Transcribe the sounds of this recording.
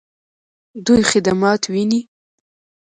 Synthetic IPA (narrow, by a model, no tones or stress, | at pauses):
d̪ujxɪd̪amɑt̪wini